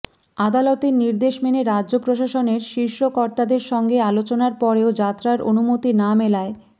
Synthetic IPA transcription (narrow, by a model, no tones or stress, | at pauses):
ad̪alot̪eɾniɾd̪eʃmeneɾadːʑopɾoʃaʃoneɾʃiɾʃokɔɾt̪ad̪eɾʃɔŋɡealot͡ɕonaɾpɔɾeod͡ʑat̪ːɾaɾo̰numot̪inamelae